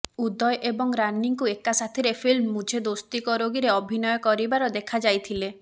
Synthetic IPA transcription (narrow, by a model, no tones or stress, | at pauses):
ud̪ɔjʔebɔŋɾaniŋkuekasat̪ʰiɾepʰilmːud͡ʒʱed̪ost̪ikɔɾoɡiɾeɔbʱinɔjɔkɔɾibaɾɔd̪ekʰad͡ʒajt̪ʰile